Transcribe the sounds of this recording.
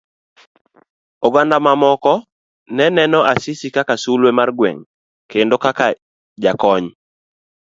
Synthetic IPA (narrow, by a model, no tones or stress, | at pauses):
oɡandamamɔkɔ | nɛnɛnɔʔasɪsikakasulwemarɡwɛ̰ŋ | kendokaka | d͡ʒakɔɲ